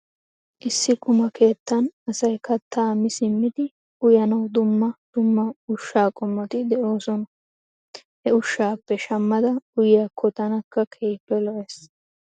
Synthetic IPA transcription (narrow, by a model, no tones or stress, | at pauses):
ʔɪsːɪkʊmɐkʰe̞ːt̪ːɐnɐsɐjkɐt̪ːaːmɪsɪmːɪd̪ɪ | ʊjɐnɐwd̪ʊmːɐd̪̥ʊmːɐʊʃːaːkʼɔmːɔt̪ɪd̪ɛʔo̞ːsɔnɐ | hɛʊʃːaːpːɛʃɐmːɐd̪ɐʊjɪjakʰːɔt̪ɐnɐkːɐkʰeːjpːɛlɔʔeːs